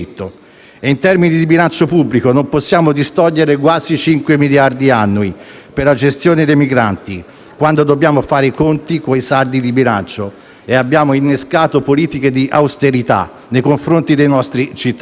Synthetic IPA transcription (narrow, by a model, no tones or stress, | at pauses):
t̪ːo | eint̪ɛrminid̪iibilant͡ʃopubːlikonomposːjaːmod̪ist̪ɔʎːeɾekwaːzit͡ʃiŋkwemiljard̪ianːuiperlad͡ʒest̪joːned̪ejmiɡɾa̰nt̪i | kwand̪od̪obːjaːmofaːɾekont̪ikoisaɾd̪id̪ibilant͡ʃo | eabːjaːmoinːeskaːt̪opoliːt̪ik̟ed̪iʔawst̪eɾit̪a̰ | nːejkoɱfɾont̪id̪ejnɔst̪ɾit͡ʃit̪ː